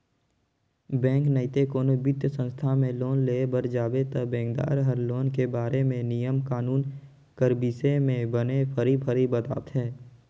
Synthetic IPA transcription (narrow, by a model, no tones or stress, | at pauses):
bɛ̃ːŋknəɪt̪ekoːnobɪt̪jəsə̃nst̪ʰamẽloːnleːbəɾd͡ʒaːbet̪əbɛ̃ːŋɡd̪a̰ːɾɦəɾloːnkebaːɾemẽnijəmkaːnuːn | kəɾbiːsemẽbənepʰəɾibʰʱəɾibət̪a̰ːt̪ɦɛː